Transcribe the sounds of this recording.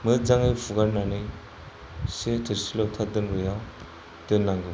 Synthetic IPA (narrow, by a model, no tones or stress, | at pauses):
mɯd͡ʒaŋɯpʰuɡaɾnanɯ | setʰɯɾsilɔwtʰadɯnɾɯjaw | d̥ɯnːaŋɡɯ